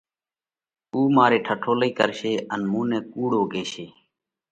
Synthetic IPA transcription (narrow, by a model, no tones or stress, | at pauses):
uːmaːɾeːʈʰəʈʰoːləiːkəɾʃeːənmũːnẽːkuːɽoːɡeːʃeː